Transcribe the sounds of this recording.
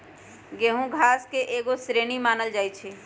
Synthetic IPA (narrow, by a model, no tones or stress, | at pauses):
ɡeɦũɡʱaːskeʔeːɡosɾeːñimaːnəld͡ʒaːt͡ʃʰe